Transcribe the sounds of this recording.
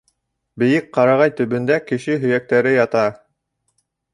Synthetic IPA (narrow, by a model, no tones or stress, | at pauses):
bɘ̆jɘk̚qɑɾɑʁɑjt̪ɵ̆βɵ̆nd̪ækɘ̆ʃɘɦɵ̆jæk̚t̪æɾɘjɑt̪ɑ